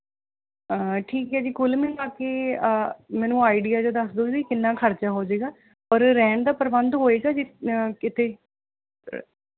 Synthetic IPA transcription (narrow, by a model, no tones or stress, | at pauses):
əʈʰiːkɦɛːd͡ʒiːkʊlmĩːkaːkeː | mɛ̃ːnũːaːiɖijaːd͡ʒad̪əsd̪oːbiːkɪnːãːkʰəɾt͡ʃaːɦoːd͡ʒeːɡaː | pəɾːɛ̃ːɳd̪aːpəɾbənd̪ɦoːeːɡaːd͡ʒikɪt̪ʰeː